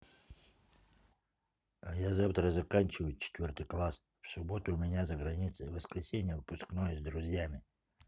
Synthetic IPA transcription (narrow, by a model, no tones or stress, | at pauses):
ajazaft̪ɾəzɐkanʲt͡ɕɪvəjʊt͡ɕɪ̥t̪ʲvʲort̪ɨjklˠas | fsʊbo̞t̪ʊːmʲɪnʲazəɡɾɐnʲit̪sɨvəskɾʲɪsʲenʲɪjəvɨpʊsknojəzʲd̪ɾʊzʲjamʲɪ